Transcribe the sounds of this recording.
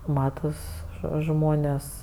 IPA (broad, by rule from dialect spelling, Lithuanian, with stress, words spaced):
ˈmɑːtɐs ʒoː ˈʒmoːnʲeːs